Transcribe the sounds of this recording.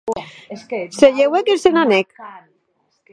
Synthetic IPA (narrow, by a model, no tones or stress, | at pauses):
seʎewekesenanek